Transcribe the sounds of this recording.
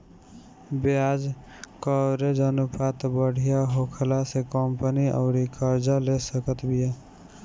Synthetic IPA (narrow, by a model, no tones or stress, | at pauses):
bead͡ʒ | kəɾed͡ʒənupʰat̪bəɽ̤ijaɦokʰlasekəmpəniʔə̰ʊɾikəɾd͡ʒalesəkət̪bija